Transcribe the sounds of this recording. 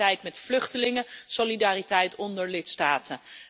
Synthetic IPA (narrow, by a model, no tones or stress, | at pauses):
ɛjtmɛtflɵχtəlɪŋəsolidaːritɛjtɔndəɹlɪtstaːtə